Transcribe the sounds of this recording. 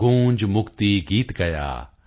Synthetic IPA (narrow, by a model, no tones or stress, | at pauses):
õːɲd͡ʒmʊkt̪iɡiːt̪ɡɐja̰ː